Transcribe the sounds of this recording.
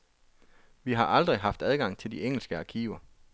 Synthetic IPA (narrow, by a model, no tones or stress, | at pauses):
ʋiɦɑ̈ʔɑ̈ld̥ʁiɦɑ̈fd̥æð̞ˠɡ̥ɑ̈ŋ̰t͡sʰe̝ld̥ieŋ̰l̩sɡ̥əɑkʰiːʊɐ